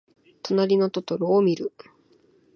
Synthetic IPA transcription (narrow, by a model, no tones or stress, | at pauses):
t̪o̞naɾʲino̞t̪ot̪oɾoːmʲiɾɯ̟